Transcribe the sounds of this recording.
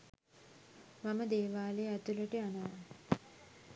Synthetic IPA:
maməd̪eːʋaːleæt̪uləʈeanaa

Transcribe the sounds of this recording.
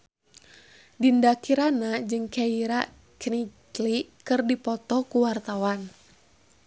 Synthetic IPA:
dindakiɾanad͡ʒɨŋkaiɾa | kniklikɨrdipɔt̪ɔkuwart̪awan

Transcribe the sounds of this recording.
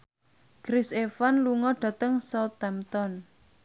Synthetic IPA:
ɡ̥ɾɪsefanluŋɔɖ̥a̤t̪əŋsɔt̪ɛmt̪ɔn

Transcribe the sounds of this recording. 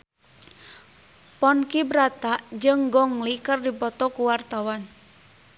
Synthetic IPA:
pɔnkibɾat̪aʔd͡ʒɨŋɡɔŋlikərdipɔt̪ɔkuwart̪awan

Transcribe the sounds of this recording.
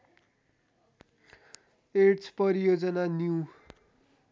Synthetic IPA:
eʈt͡sʰpʌɾijod͡zʌnanjuw

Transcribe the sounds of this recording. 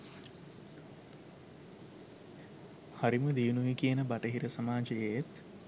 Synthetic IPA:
haɾiməd̪iunuikijənəbaʈəɦiɾəsamaːd͡ʒəjejet̪

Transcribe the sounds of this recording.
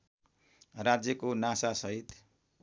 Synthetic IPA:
rad͡zjʌkonasasʌɦit̪

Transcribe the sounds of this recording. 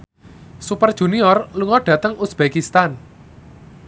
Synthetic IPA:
supərd̥ʒ̥ṳniɔrluŋɔɖ̥ä̤t̪əŋusb̥ekist̪an

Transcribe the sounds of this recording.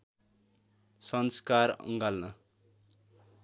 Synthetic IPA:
sʌnskarʌ̰ŋɡalnʌ

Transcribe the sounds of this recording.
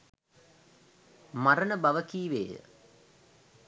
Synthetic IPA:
maɾənəbaʋəkiːʋḛːjə̰

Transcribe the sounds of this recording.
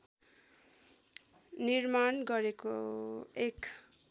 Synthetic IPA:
nirmanɡʌɾekoek

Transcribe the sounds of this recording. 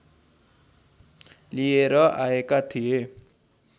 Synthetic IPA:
lieɾʌʔaekat̪ʰije

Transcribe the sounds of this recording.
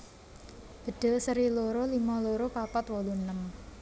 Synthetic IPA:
b̥ə̤ɖ̥ə̤səɾiloɾolimɔloɾopapɔt̪wɔlunəm

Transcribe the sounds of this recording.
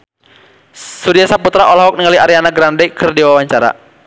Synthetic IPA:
suɾiasaput̪ɾaʔɔlaɦɔk̚niŋaliaɾianaɡɾandɛkʰɨrdiwawaɲt͡ʃaɾa̰

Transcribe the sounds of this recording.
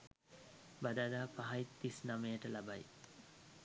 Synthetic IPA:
bad̪ad̪aːpaɦait̪ːisnamejəʈəlabaj

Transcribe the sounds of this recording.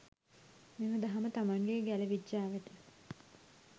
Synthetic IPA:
meməd̪aɦamət̪amaŋɡeɡæləʋid͡ʒːaːʋet̪ə

